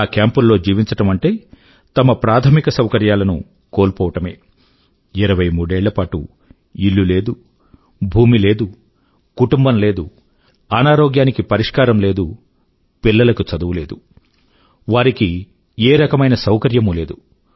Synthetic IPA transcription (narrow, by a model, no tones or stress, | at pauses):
aːkjaːmpunːo̞ːd͡ʒiːʋiɲt͡ʃɐʈɐmɐɳʈe̞ː | t̪ɐmɐpɾaːt̪ʰɐmikɐsɐwkɐɾjaːlɐnṵ | ko̞ːlpɔːʋɐʈɐme̞̰ː | iɾɐʋɐjmuːɽeːɭːɐpaːʈṵ | iɭːule̞ːd̪u | bʱuːmile̞ːd̪u | kuʈumbɐmle̞ːd̪u | ɐnaːɾoːɡjaːnikipɐɾiʂkaːɾɐmle̞ːd̪u | pilːɐlɐkut͡ʃɐd̪uʋule̞ːd̪u | ʋaːɾiki | eːɾɐkɐmɐjnɐsɐwkɐɾjɐmule̞ːd̪u